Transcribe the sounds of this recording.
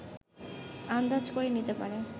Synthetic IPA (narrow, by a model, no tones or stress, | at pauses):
and̪ad͡ʑkoɾenit̪epa̰ɾe